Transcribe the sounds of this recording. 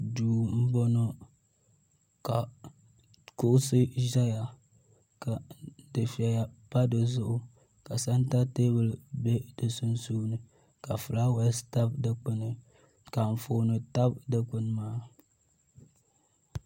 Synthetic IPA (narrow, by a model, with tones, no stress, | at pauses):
duː˨m̩˦bo˦no˦ | ka˨ | kʊ˦ʔʊ˦sɨ˦ʒa˦ja˨ | ka˨dɨ˨fi˨a˨ja˨pa˦dɨ˨zʊ˦ʔʊ˦ | ka˨sa˦nta˦teː˦bɨ˨lbe˦dɨ˨su˦n˦suː˦nɨ˨ | ka˨fɨ˨la˦wɛ˦sta˦bdɨ˨k͡pɨ˦nɨ˨ | ka˨ɱ̩˨fo˨nɨ˨ta˦bdɨ˨k͡pɨ˦nɨ˦maː˦